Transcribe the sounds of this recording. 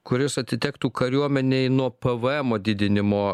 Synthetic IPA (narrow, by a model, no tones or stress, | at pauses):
kʊɾʲɪsɐt̪ʲɪt̪ʲɛkt̪uːkɐɾʲuɔmʲɛnʲɛɪnuɔpɛʋəɛmoːd̪ʲɪd̪ʲɪnʲɪmoː